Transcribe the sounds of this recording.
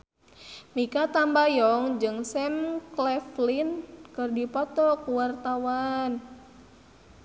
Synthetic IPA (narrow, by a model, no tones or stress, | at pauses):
mikat̪ambajɔŋd͡ʒɨŋsɛmklɛflinkɨrdipɔt̪ɔkuwart̪awan